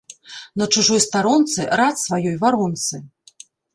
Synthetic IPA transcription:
nɐt͡ʂuʐɔjst̪aɾɔnt̪sɨɾat̪svajɔjvaɾɔnt̪sɨ

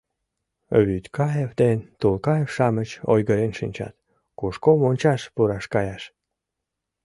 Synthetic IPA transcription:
βyt̪ʲkɑjefd̪ent̪ulkɑjefʃɑmət͡ɕo̰jɣəɾenʃinʲt͡ɕɑ̰t̪ | kuʃkomonʲt͡ɕɑʃpuɾɑʃkɑjɑʃ

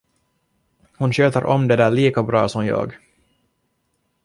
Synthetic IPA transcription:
hʊnɕøːt̪əɾʔɔmd̪ɛd̪æːɭiːkabɾɑ̰ːsɔmjɑ̰ːɡ

